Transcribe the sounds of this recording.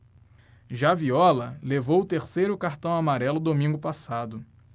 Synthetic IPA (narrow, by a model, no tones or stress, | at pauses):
ʒaviɔlɐlevowʊt̪eɾsejɾʊkaɾt̪ɐ̃w̃amaɾɛlʊd̪omĩŋɡʊpasad̪ʊ